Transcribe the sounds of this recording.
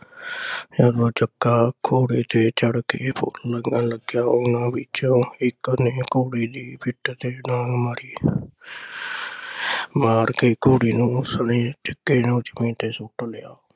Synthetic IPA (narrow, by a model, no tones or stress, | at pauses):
jaːd̪oːt͡ʃəkːaːkʰoːɽiːt̪ʰeːt͡ʃəɽkeːpʰʊ̰lːəŋɡanləɡjaːʊnãːʋɪt͡ʃõːɪkneːkoːɽiːd̪iːpʰɪʈt̪eːnaːnmaːɾiː | maːɾkeːkoːɽiːnũːsəneːt͡ʃəkːeːnõːd͡ʒəmĩːt̪eːsʊʈlɪjaː